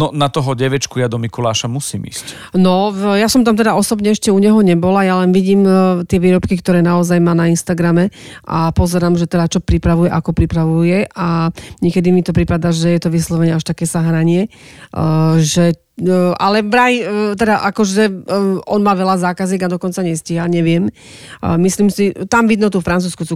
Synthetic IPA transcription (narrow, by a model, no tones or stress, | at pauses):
nɔnat̪ɔɦɔɟɛʋɛt͡ʃkujad̪ɔmikulaːʃamusḭːmḭsc | nɔjasɔmt̪amt̪ɛd̪aɔsɔbɲɛɛʃcɛuɲɛɦɔɲɛbɔlajalɛnʋiɟiːmt̪ɪɛʋiːɾɔpkikt̪ɔɾɛːnaɔzajmaːnainst̪aɡɾamɛʔa̰pɔzɛɾaːmʒɛt̪ɛd̪at͡ʃɔpɾipɾaʋujɛʔakɔpɾipɾaʋujɛaɲɪɛkɛd̪imit̪ɔpɾipad̪aʒɛjɛt̪ɔʋislɔʋɛɲɛaʃt̪akɛːsaɦɾaɲɪɛ | ʒɛ | ʔalɛbɾajt̪ɛd̪aʔakɔʒɛʔɔnmaːʋɛlazaːkaziːɡad̪ɔkɔnt͡saɲɛsciɦaɲɛʋɪɛm | misliːmsit̪amʋid̪nut̪ufɾant͡suːskusu